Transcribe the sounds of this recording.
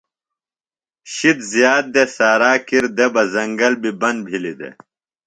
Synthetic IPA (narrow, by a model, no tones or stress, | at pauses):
ɕit̪zjaːd̪̚d̪esaːɾaːkiɾd̪ebɐzɐŋɡɐlbibɐn̚bʱilid̪ḛ